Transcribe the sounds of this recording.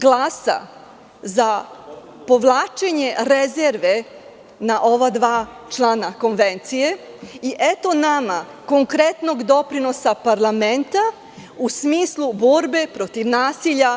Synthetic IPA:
ɡlˠaːsa̰ | za | po̞ʋlˠaːt͡ʃe̞ɲe̞ɾezeɾʋe | naʔo̞ʋad̪ʋaːt͡ʃlˠanako̞nʋent̪sije̞ | iʔet̪o̞nama | ko̞ŋkɾet̪no̞ɡd̪o̞pɾino̞sapaɾlˠament̪a | usmiːslˠubo̞ɾbe̞pɾo̞t̪iʋnaːsiʎa

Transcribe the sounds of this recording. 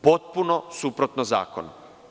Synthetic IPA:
pot̪̚punosupɾot̪noza̰ːko̰no

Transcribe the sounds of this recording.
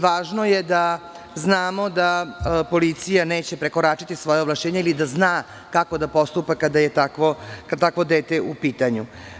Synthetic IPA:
ʋaːʒno̞je̞d̪a | znaːmo̞d̪apo̞lit̪sijane̞ːt͡ɕe̞pɾe̞ko̞ɾaːt͡ʃit̪isʋo̞jeoʋlˠaʃt͡ɕeːɲeilid̪aznaː | kako̞d̪apo̞st̪upakad̪ajet̪akʋokat̪akʋo̞d̪eːt̪eupiːt̪aɲu

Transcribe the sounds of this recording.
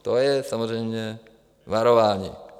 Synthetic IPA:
t̪ojɛsamorɛjmɲɛ | ʋaɾoʋaːɲḭ

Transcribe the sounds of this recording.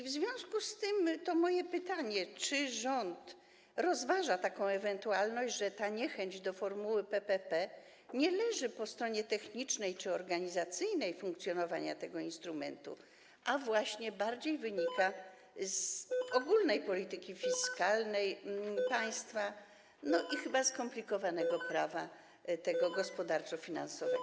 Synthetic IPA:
ivzvʲjɔ̃w̃skust̪ɘmt̪ɔmɔjɛpɘt̪aɲɛt͡ʂɘʐɔnt̪ | ɾɔzvaʐat̪akɔ̃w̃ɛvɛnt̪ualnɔɕd͡ʑʐɛt̪aɲɛxɛɲd͡ʑd̪ɔfɔɾmuwɘpɛpɛpɛ | ɲɛlɛʐɘpɔst̪ɾɔɲɛt̪ɛxɲit͡ʂnɛjt͡ʂɘɔɾɡaɲizat̪sɘjnɛjfũŋk̚t̪sʲjɔnɔvaɲa̰t̪ɛɡɔinst̪ɾumɛ̰nt̪ṵ | ʔavwaɕɲɛbaɾd͡ʑejvɘɲika | zɔɡulnɛjpɔlʲit̪ɘkʲifʲiskalnɛjpaj̃st̪fa | nɔʔixɘbaskɔmplʲikɔvanɛɡɔpɾava | t̪ɛɡɔɡɔspɔd̪aɾt͡ʂɔfʲina̰nsɔvɛɡɔ

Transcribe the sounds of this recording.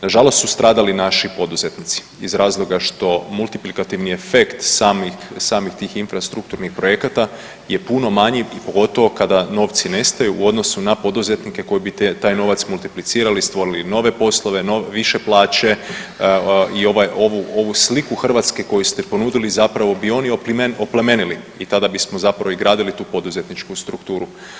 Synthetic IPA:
naʒalˠost̪sust̪ɾʔaːd̪alinaʃipo̞d̪uze̞t̪nit̪si̥izɾaːzlˠo̞ɡaʃt̪o̞mulˠt̪iplikat̪iʋnie̞fe̞kt̪saːmixsaːmixt̪iːxinfɾast̪ɾuk̚t̪uɾnixpɾo̞je̞kat̪a | je̞puno̞maɲiipo̞ɡo̞t̪o̞ʋo̞kad̪ano̞ːʋt̪sine̞st̪ajuʔːo̞d̪no̞sunapo̞d̪uze̞t̪nike̞ko̞jebit̪et̪aːjno̞ːʋat̪smulˠt̪iplit̪siːɾalist̪ʋo̞ɾilino̞ʋe̞po̞slˠoʋe̞noeʋiʃe̞plˠaːt͡ʃe̞ | io̞ʋajo̞ʋuo̞ʋuslikuxrʋat̪skeko̞just̪ɛpo̞nuːd̪ilizapɾaʋo̞bio̞niopmenopleme̞nili | it̪ad̪abismo̞zapɾaʋoizɡɾaːd̪ilit̪uːpo̞d̪uze̞t̪nit͡ʃkust̪ɾukt̪uːɾu

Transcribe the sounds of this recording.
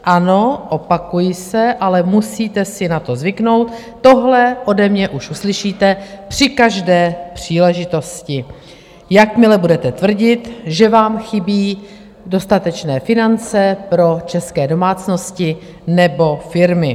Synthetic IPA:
ʔano̞ʔopakujɪsɛʔalɛmusiːt̪ɛsɪnat̪o̞zvɪkno̞wt̪ː | o̞ɦlɛʔo̞dɛmɲɛʔuʃʔuslɪʃiːt̪ɛpr̝̥ɪkaʒdɛːpr̝̥iːlɛʒɪt̪o̞scɪ | jakmɪlɛbudɛt̪ɛt̪vr̩ɟɪt̪ʒɛvaːmxɪbiː | do̞st̪at̪ɛt͡ʃnɛːfɪnant͡sɛpɾo̞t͡ʃɛskɛːdo̞maːt͡sno̞scɪ | nɛbo̞fɪɾmɪ

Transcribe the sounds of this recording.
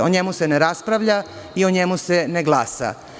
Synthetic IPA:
oɲemuseneɾaspɾaʋʎa | ioɲemuseneɡlˠaːsa̰

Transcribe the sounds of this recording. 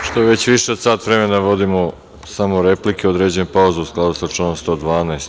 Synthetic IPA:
ʃt̪o̞eʋe̞t͡ɕʋiʃeod̪saːt̪ʋɾe̞menaʋo̞d̪imo | samoɾe̞plikeo̞d̪ɾed͡ʑenupauzeusklˠaːd̪usat͡ʂunomst̪o̞ːd̪ʋaːnast̪

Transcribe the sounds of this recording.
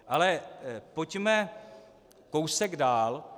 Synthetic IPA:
ʔalɛpocmɛ | kowsɛɡdaːl

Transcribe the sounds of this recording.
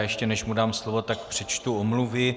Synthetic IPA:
jɛʃcɛnɛʃmudaːmslovo̞t̪ak̚pr̝̥ɛt͡ʃt̪uomluvɪ

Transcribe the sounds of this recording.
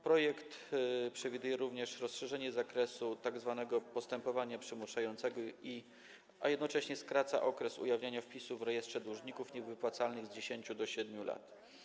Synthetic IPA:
pɾɔjɛkt̪pʂɛvʲid̪ujɛɾuvɲɛʂɾɔsʂɛʐɛɲɛzakɾɛsut̪aɡzvanɛɡɔpɔst̪ɛmpɔvaɲapʂɘmuʂajɔnt̪sɛɡɔi | ajɛd̪nɔt͡ʂɛɕɲɛskɾat̪sa̰ʔɔkɾɛsṵjavɲaɲafpʲisuvɾɛjɛst̪ʂɛd̪ɾuʐɲikufɲɛvɘpwat̪salnɘɣzd͡ʑeɕeɲt͡ɕud̪ɔɕɛd̪mʲula̰t̪

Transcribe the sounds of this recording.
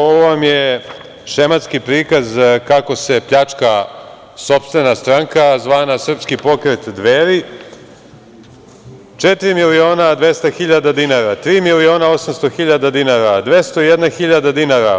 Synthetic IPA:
oʋoʋamje | ʃemat̪skipɾiːkazkako̞se̞pʎat͡ʂka | so̞pst̪ʋe̞nast̪ɾaŋkazʋaːnasr̩pskipo̞kɾet̪d̪ʋeːɾi | t͡ʂet̪iɾimilio̞ːnad̪ʋe̞st̪axiʎad̪ad̪inaɾat̪ɾiːmilio̞ːnao̞samst̪oxiʎad̪ad̪inaɾad̪ʋe̞st̪oijed̪naxiʎad̪ad̪inaːɾa

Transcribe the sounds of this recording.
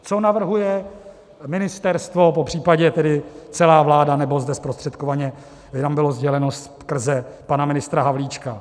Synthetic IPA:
t͡so̞navr̩ɦujɛ | mɪnɪst̪ɛɾst̪vo̞po̞pr̝̥iːpaɟɛt̪ɛdɪt͡sɛlaːvlaːdanɛbo̞zdɛspɾost̪r̝̥ɛt̪kovaɲɛ | ɪt̪ambɪlo̞zɟɛlɛno̞s | kr̩zɛpanamɪnɪst̪ɾaɦavliːt͡ʃka

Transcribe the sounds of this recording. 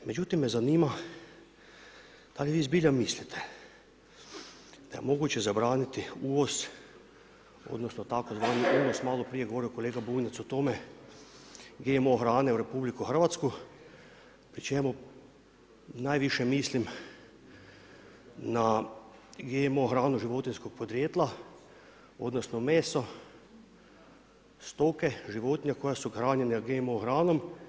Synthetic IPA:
me̞d͡ʒut̪imːe̞zaniːma | d̪̥aliʋiːzbiʎamislit̪ʰe | d̪̥ajemo̞ɡut͡ɕe̞zabɾaːnit̪iuːʋo̞s | o̰d̪nosnot̪akozʋaːniʔuːno̞smaːlˠo̞pɾije̞ɡo̞ʋo̞ɾioko̞leːɡabuːnʲat̪sot̪o̞me | ɡemo̞xɾaːne̞uɾe̞publikuxr̩ʋat̪sku | pɾit͡ʃemu | najʋiʃjɛmiːslim | na | ɡemoxɾaːnuʒiʋot̪inskok̚pod̪ɾjeːt̪lˠa | od̪nosnomeːso | st̪okeʒiʋoːt̪ɲakojasuxɾaːnenaɡemoxɾaːnom

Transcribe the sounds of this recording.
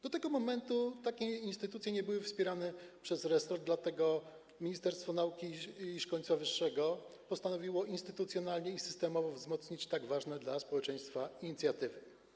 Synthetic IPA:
d̪ɔt̪ɛɡɔmɔmɛnt̪ut̪akʲɛinst̪ɘt̪ut̪sʲjɛɲɛbɘwɘfspʲjɛɾanɛpʂɛzɾɛsɔɾd̪lat̪ɛɡɔ | mʲiɲist̪ɛɾst̪fɔnaukʲiːʂkɔɲt̪swavɘʂːɛɡɔpɔst̪anɔvʲiwɔʔinst̪ɘt̪ut̪sʲjɔnalɲɛisɘ̥st̪ɛmɔvɔvzmɔt̪sɲit͡ɕt̪aɡvaʐnɛd̪laspɔwɛt͡ʂɛj̃st̪faiɲit̪sʲjat̪ɘvɘ

